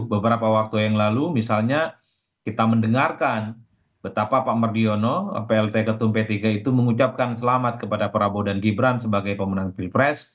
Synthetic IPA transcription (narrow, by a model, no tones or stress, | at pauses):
bəbəɾapawak̚t̪ujaŋlalumisalɲa | kit̪aməndəŋarkan | bət̪apapaʔmardiono̰peɛlt̪ekət̪umpet̪iɡait̪uməŋut͡ʃap̚kansəlamat̪̚kəpadapəɾabodanɡibɾansəbaɡajpəmənaŋpilpɾɛs